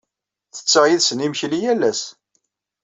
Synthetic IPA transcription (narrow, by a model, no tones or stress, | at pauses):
θə̥t͡sːəʁjiðsənimçlijælːæs